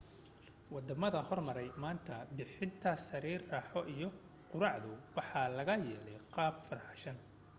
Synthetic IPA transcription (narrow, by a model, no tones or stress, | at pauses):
wɑd̪ɐmɐðɐhɔrmɐɾɛjmaːnt̪ʰɐbɪħɪnt̪ʰɐsɐɾiːrːɑːħɔʔijɔ | qʊɾɑʕðʊwɑħɑlɐɣɐjɛːlɛjqɑːbfɐrħɑ̥ʃɐn